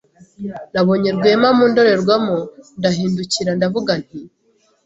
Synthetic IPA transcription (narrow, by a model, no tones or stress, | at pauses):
naβo̞ɲeɾɡwe̞ːmamuːndo̞ɾe̞ɾɡwamondaɦiːnduciɾandavuɡan̥hi